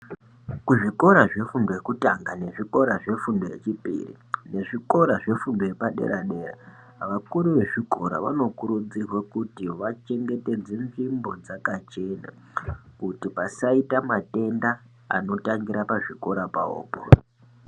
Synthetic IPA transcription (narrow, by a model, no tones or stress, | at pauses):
kuʐiko̞ɾaʐe̞fundojekutaŋɡane̞ʐiko̞ɾaʐe̞fundoje̞̰t͡ʃipḭːrḭ | ne̞ʐiko̞ɾaʐe̞fundoje̞paɗe̞̰ɾaɗe̞ːra̰ | ʋakuɾuʋe̞ʐiko̞ɾa̰ʋano̞kuɾud͡zirwakutiʋat͡ʃe̞ŋɡe̞te̞d͡zenvimbo̞d͡zakat͡ʃe̞na̰ | kutipasaitamate̞nda | a̰no̞taŋɡiɾapaʐiko̞ɾapa̰o̰ːpo